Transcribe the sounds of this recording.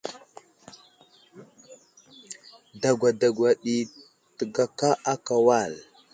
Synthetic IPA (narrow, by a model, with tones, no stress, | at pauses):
da˨ɡʷwa˨da˨ɡʷwa˨ɗi˨ | tə˨ɡa˨ka˦a˦ka˨wa˦˨l